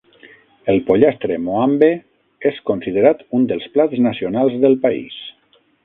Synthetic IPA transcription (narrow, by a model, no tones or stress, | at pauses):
əlˠpoʎast̪ɾemoambe | eskonsiðeɾat̪und̪əlˠsplad͡znəsionalˠzðəlˠpaḭs